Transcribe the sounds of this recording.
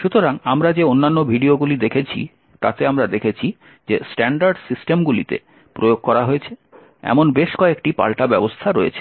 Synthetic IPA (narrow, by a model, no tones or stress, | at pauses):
ʃut̪oɾaŋamɾad͡ʑeonːanːobʱiɖioɡulid̪ekʰet͡ɕʰḭ | t̪a̰t̪eamɾad̪ekʰet͡ɕʰi | d͡ʑesʈɛɳɖaɾɖsisʈemɡulḭt̪ḛ | pɾojoɡ̚kɔɾaɦoet͡ɕʰe | ɛ̰monbeʃkɔekʈipa̰lʈabɛbost̪ʰaɾoḛt͡ɕʰe̥